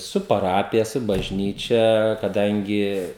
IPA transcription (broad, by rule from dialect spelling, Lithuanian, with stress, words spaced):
ˈsʊ pɐˈrɑːpʲɪjɛ ˈsʊ bɐʒʲˈnʲiːt͡ʃʲɛ kɐˈdɐŋʲɡʲɪ